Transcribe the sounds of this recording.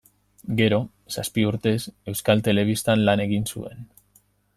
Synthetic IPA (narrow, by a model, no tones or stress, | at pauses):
ɡe̞ɾo̞ | saspiuɾt̪e̞se̞wskalt̪e̞le̞β̞ist̪anlane̞ɣinsṵe̞n